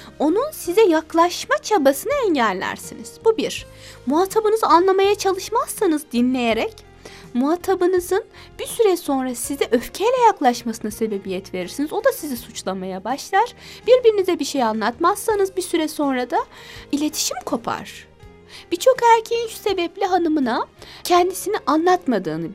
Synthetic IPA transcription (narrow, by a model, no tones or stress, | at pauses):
o̞nunsizɛjaklˠaʃmat͡ʃʰabasɯnaɛɲɟælʲːæ̰ɾsiniz̥bubiɾ̥ | muɦat̪ʰabɯnɯzanlˠamajat͡ʃʰalˠɯʃmasːanɯzd̪inlʲe̞jeɾɛc | muɦat̪ʰabɯnɯzɯn | b̥isyɾɛso̞nɾasizɛʔøfcʰejlʲɛjaklˠaʃmasɯnase̞be̞bijɛt̪ʰve̞ɾiɾsinizo̞d̪asizisut͡ʃlˠamajabaʃlˠaɾ̥b̥iɾbiɾinizɛbiʃe̞janlˠat̪massanɯzbisyɾɛso̞nɾad̪ailʲe̞t̪ʰi̥ʃimkʰo̞pʰa̰ɾ̥ | b̥it͡ʃʰo̞kæɾcʰeinʃu̥se̞bɛplʲiɦanɯmɯnacʰɛnd̪isiniʔanlˠat̪mad̪ɯːnɯ